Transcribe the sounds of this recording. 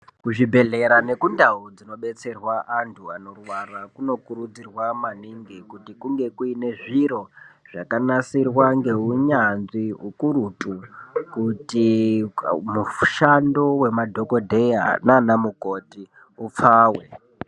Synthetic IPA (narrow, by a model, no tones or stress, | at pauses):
kuʐibʱe̞ɮe̞ɾane̞kundaud͡zino̞ɓe̞t͡se̞rwaʔantʰuano̞rwarakuno̞kuɾud͡zirwamaniŋɡikutikuŋɡe̞kuine̞ʐiɾo̞ʐ̥akanasirwaŋɡe̞uɲanziɦukuɾutʼukuti | muʃando̞we̞madʱo̞ko̞dʱeja̰nanamuko̞ti | up͡faːwe̞